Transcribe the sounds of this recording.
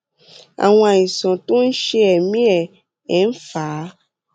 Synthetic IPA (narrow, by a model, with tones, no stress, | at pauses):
a̰˨wɔ̃˦a˨jĩ˨sɔ̃˨t̪o˦n̩˦ʃe˦ɛ˨mĩ˦ɛ˨ | ɛ˨˦n̩˦fa˨˦